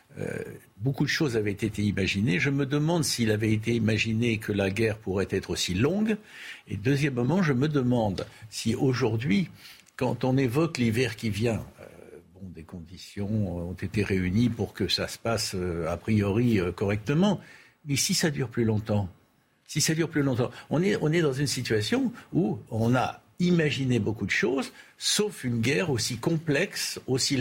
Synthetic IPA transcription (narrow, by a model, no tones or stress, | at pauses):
ø̰ | bokud̪əʃozavɛt̪et̪eimaʒineʒəməd̪əmɑ̃d̪siːlavɛet̪eimaʒinekʰəlaɡʲɛʁpuʁɛt̪ɛt̪χosilɔ̃ɡ | ḛd̪øzjɛmmɑ̃ʒəməd̪əmɑ̃d̪sioʒuʁd̪ɥi | kɑ̃t̪ɔ̃nevɔklivɛʁkʲivjɛ̃ø̰bɔ̃d̪ekɔ̃d̪isjɔ̃ɔ̃t̪et̪eʁeynipuʁkəsasə̥pasøapχijɔʁiøkɔʁɛk̚t̪əmɑ̃ | mɛsisad̪yʁplylɔ̃t̪ɑ̃ | sisad̪yʁplylɔ̃t̪ɑ̃ɔ̃nɛɔ̃nɛd̪ɑ̃zynsit̪ɥasjɔ̃uɔ̃na̰ | imaʒinebokud̪əʃozsofynɡʲɛʁosikɔ̃plɛksosi